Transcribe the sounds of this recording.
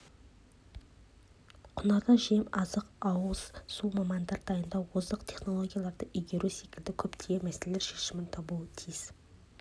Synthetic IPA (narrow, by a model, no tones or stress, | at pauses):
qʰʊnɑʁɑʒe̞mɑzəqɑwəz̥sumɑmɑnd̪ɑɾd̪ʰɑjənd̪ɑwozəqt̪ʰe̞χno̞lˠo̞ɡʲijalˠɑɾd̪əʔijɡʲe̞ɾusekʲɪld̪ɪkʲʰɵpt̪ʰeɡʲemæseleleɾʃe̞ʃɪmɪnt̪ʰɑbuət̪ʰijz̥